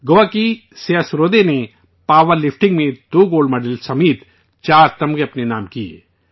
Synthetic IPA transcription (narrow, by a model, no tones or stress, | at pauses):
ɡoːaki | seːəsɾoːd̪ene | paːʋəɾlɪfʰʈɪ̃ŋɡmẽd̪oːɡoːlɖmɐːɖəlsɐmiːt̪ | t͡ʃaːɾt̪ɐmɡeɐpnenaːmkiḛː